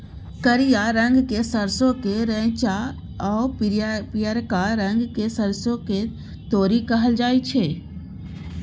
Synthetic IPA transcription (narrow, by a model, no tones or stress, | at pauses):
kəɾijaɾə̃ŋɡkesəɾsõkeɾɛ̃ːt͡ʃa | ɔːppijəɾkaɾə̃ŋɡkesəɾsõke | t̪oːɾikəɦəld͡ʒaːit͡ʃʰeː